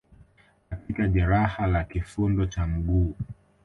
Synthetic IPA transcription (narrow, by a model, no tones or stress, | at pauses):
katikaʄɛɾahalakifundɔt͡ʃam̩ɡuː